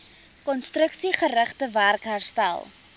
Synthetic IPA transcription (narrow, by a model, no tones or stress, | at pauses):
kɔnstɾəksiχəɾəχtəværkɦærstæ̰lˠ